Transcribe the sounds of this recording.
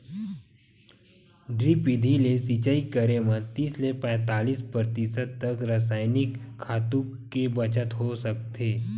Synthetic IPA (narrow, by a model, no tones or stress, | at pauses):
ɖɾiːpid̪ʱilesit͡ʃaikəɾemət̪iːslepɛ̃ːt̪aːliːspɾəɾt̪isəd̪t̪ːɐkɾəs̬aːɪnɪkʰː | aːt̪ũkebɐt͡ʃət̪ɦosək̚t̪eː